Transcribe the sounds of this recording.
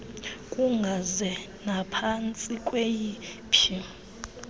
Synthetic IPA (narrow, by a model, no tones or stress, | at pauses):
kʼuŋɡʱazɛ | napʰant͡sʼikʼweji | pʰi